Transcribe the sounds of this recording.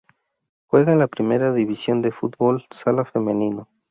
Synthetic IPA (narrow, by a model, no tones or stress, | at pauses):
xwe̞ɣalapɾimeɾaðiβisjo̞nd̪e̞fut̪̚bolsalafemẽnino